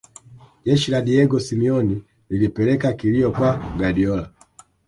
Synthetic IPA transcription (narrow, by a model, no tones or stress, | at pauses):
ɟɛʃiladiɛɡɔsimiɔni | lilipɛlɛkakiliɔkwaɡadiɔla